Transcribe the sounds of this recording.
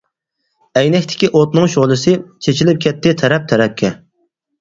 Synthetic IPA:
ɛjnɛkʲt̪ʰɪ̥kʲiʔot̪nɨŋʃoʁlˠɨsɨt͡ʃʰet͡ʃʰilɪp̚kʲʰɛt̪ʰːɪt̪ʰɛɾɛp̚t̪ʰɛɾɛp̚kʲʰɛ

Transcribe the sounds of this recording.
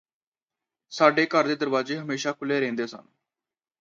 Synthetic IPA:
saːɖeːkəɾd̪eːd̪əɾʋaːzeːɦəmeːʃaːkʰʊleːɾẽːnd̪eːsə̰n

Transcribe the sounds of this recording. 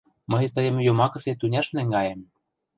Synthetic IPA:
məjt̪əjɤ̆mjomɑkɤ̆set̪unʲæʃnæ̆ŋɡɑjem

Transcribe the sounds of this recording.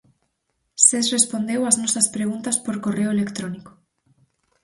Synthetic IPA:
sesrespond̪ewaznɔsɐspɾeɣ̞unt̪aspoɾkoreoelekt̪ɾoniko̥

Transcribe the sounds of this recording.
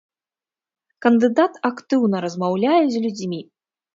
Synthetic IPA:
kɐnd̪ɨd̪at̪akt̪ɨwnɐɾɐzmawlʲajɛzʲlʲud͡zʲmʲi

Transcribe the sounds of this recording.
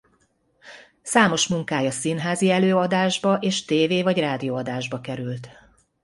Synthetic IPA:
saːmo̞ʃmuŋkaːjɒsinɦaːziɛløːɒd̪aːʒbɒʔeːʃt̪eːveːvɒɟraːd̪ioːɒd̪aːʒbɒkɛɾylt̪

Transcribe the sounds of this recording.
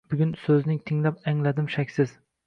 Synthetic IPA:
bʊɡʲʊnsɵznɪŋt̪ʰɪŋlapaŋlad̪ɪmʃakʲsɪz

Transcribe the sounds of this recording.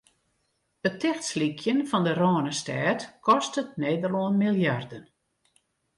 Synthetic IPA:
ətʰːɛxtslikʰjənfɔndərɔːnəstɛːtkʰɔstət̚neːdərloənmilˠjardən

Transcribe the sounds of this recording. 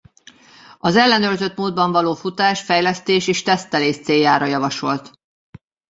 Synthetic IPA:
ɒzɛlːɛnøːrzø̞t̪muːd̪̚bɒɱvɒloːfut̪aːʃfɛjlɛst̪eːʃeːʃt̪ɛst̪ɛleːʃt̪seːjːaːɾɒjɒvɒʃo̞lt̪

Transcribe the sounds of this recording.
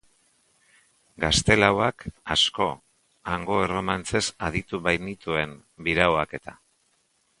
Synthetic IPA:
ɡast̪e̞lawakasko̞ | aŋɡo̞ero̞mant͡se̞sað̞it̪uβajnit̪ue̞m | biɾawake̞t̪a

